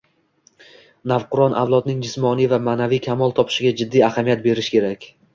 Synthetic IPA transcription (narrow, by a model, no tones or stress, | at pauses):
navqʊɾɒnʔa̰vlˠɒd̪nɪŋd͡ʒɪsmɒnijvamaːnavijkʲʰamɒlˠt̪ʰɒpʰɪ̥ʃɪɡʲad͡ʒɪd̪ːijahamijat̪̚be̞ɾɪʃkʲe̞ɾakʲ